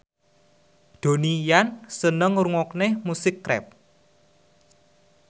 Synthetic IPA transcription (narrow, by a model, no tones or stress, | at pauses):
d̪̥o̤nijansənəŋruŋɔknehmusɪkːɾɛ̰p̚